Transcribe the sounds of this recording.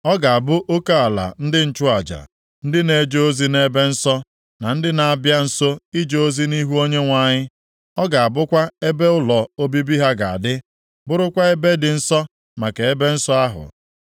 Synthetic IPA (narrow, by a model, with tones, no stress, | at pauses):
ɔ˦ɡa˨a˨bʊ˦ʔo˦ka˦a˨la̰˨n̩˦dɪ˦n̩˦t͡ʃʊ˦a˨d͡ʒa̰˨ | n̩˦dɪ˦ne˨˦d͡ʒo˦o˦zi˦ne˦be˦n̩˦sɔ˦ | na˨n̩˦dɪ˦na˨a˨bja˦n̩˦so˦i˦d͡ʒo˨o˦zi˦ni˦ɦu˦o˦ɲe˦ŋʷa˨ɲɪ˦ | ɔ˦ɡa˨a˨bʊ˦kʷa˦e˦be˦ʊ˦lɔ˨o˦bi˦bi˦ɦa˦ɡa˨a̰˨dɪ˦ | bʊ˦ɾʊ˦kʷa˦e˦be˦dɪ˨n̩˦sɔ˦ | ma˨ke˨e˦be˦n̩˦sɔ˦a˦ɦʊ̰˨